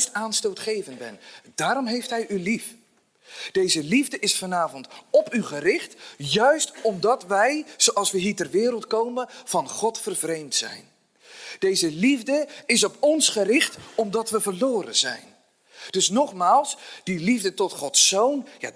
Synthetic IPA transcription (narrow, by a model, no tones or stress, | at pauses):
staːnstowtχejvənbɛ̰nd̥aːɾɔmɦejftɦɛjylif | d̥ejzəlivdəʔɪsfɑnaːvɔntɔpyχərɪχtjœɥstɔmdɑtʋɛjz̥owʔɑlˠsʋəɦiːɹtɛrʋɪːɾəlˠtkowmənv̥ɑnχɔtfərvrejmtsɛ̰jn | d̥ejzəlivdəɪs̬ɔpɔnsχərɪχtɔmdɑtʋəvərloːɾə̰nzɛ̰jn | d̥ɵsnɔχmaːlˠsd̥ilivdətɔtχɔtsownja̰